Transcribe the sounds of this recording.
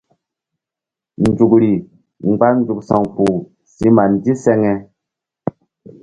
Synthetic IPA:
n˨d͡ʒu˨kɾi˨ | ŋ͡mɡ͡ba˦n˦d͡ʒu˨ksɔ˨ŋpu˨ | si˦ma˨ndi˦sɛ˦ŋɛ˦

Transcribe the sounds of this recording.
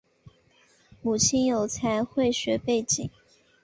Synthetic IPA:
mu˨˩t͡ɕʰi˥˩njo˨˩ʊt͡sʰa˧˥ɪxwe˥˩ɪɕɥɛ˧˥pe˥˩ɪt͡ɕḭ˨˩˦ŋ

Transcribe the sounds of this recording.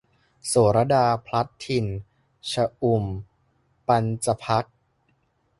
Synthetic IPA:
soː˩˦ɾa˧daː˧pʰɾa˦˥t̪ʰːi˧˩n | t͡ɕʰa˧ʔu˧˩m | pa˧nt͡ɕa˧pʰa˦˥t̪̚

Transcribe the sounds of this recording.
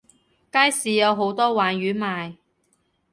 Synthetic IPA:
kaː˥jsiː˨jɐ˨˧wɦo˨˥wt̪ɔː˥waː˨nɥyː˨˥maː˨˧j

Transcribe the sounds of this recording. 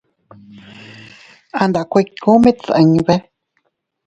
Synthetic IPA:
ã˧nd̪a˨kʷe˧kʰõ˦mẽ˦t͡sə̰̃˧ɲ̃˧βe˦

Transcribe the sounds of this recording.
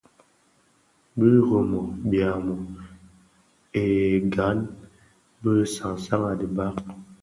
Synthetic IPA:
bə˦ɣo˨mɔ˨bja˨mɔ˨ | e˨ɡa˨˦n | bə˦sa˨ŋsa˦ŋa˨di˨ba˦k

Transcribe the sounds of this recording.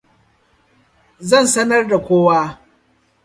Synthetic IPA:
zɐ˦˨nsɐ˦nɐ˦rda˨kʷoː˦waː˦

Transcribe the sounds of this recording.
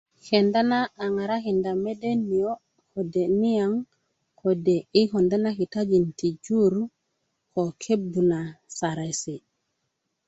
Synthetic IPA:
ke˨nda˦naː˦˨ŋa˨ɾa˦ki˨nda˨me˦de˦ni˨jo˦ | ko˨de˨ni˦ja˦ŋ | ko˨de˨i˦ko˨nda˦na˦ki˨ta˦d͡ʒi˨nti˨d͡ʒu˦ɾu˦ | ko˨kʰe˦bːu˨na˨sa˨ɾa˨si˨

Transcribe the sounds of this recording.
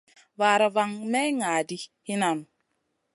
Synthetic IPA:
va˨ɾa˨va˦ŋmɛ˦ŋa˨di˦hi˦na˨m

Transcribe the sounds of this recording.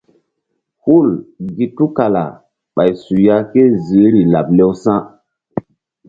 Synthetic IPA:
hu˦˨lɡi˨tu˦ka˨la̰˨ | ɓa˨jsu˨ja˦ke˦zi˨˦ɾi˨la̰˨ble˦wsã˦

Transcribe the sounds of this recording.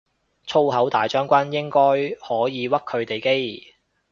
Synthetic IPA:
t͡ʃʰo˥wɦɐ˨˥wt̪aː˨jt͡ʃœː˥ŋkʷɐ˥njɪ˥ŋkɔː˥jhɔː˨˥jiː˨˧wɐ˥k̚kʰːɵ˨˧ɥt̪e˨jke˥j

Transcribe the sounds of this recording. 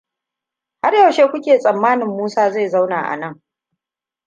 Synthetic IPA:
ha˦rjɐ˨ʃeː˦kʷʊ˦kʲeː˨sʼɐ˨mːaː˦nɪ˨mːuː˦saː˦za˦˨jza˦wnaː˨ʔa̰˨nɐ˦˨ŋ

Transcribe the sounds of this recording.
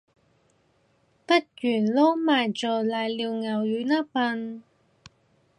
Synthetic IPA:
pɐ˥t̚jyː˨˩nloː˥wmaː˨jt͡ʃɔː˨˩laː˨jliː˨˧wŋɐ˨˩wjyː˨˧˥naː˥pɐ˧n

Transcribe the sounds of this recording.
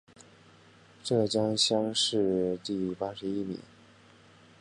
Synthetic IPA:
ʈ͡ʂɤ˥˩t͡ɕjɑ˥ŋɕjɑ˥ŋʂɻ̩˥˧t̪i˥˩pa˥ʂɻ̩˧˥i˥mḭ˨˩˦

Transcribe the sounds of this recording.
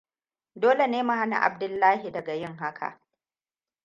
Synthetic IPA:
doː˦le˨neː˦ma˨ɦa˦na̰˨ʔa̰˨b̚dʊ˦lːaː˦ɦi˨dɐ˨ɡa˨jɪ˦ŋɦa˦kʰa̰˨ʔ

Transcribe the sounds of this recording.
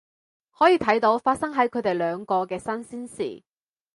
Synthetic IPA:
hɔː˨˥jiː˨˧t̪ʰɐ˨˥jt̪o˨˧wfaː˧t̚sɐ˥ŋɦɐ˨˥jkʰɵ˨˧ɥt̪e˨jlœː˨˧ŋkɔː˧kɛː˧sɐ˥nsiː˥nsḭː˨˩

